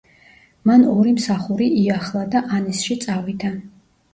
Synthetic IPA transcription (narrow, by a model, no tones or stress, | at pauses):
manɔɾimsaχuɾiʔiaχlˠad̪aʔanɛsʃit̪sʼavid̪ʰa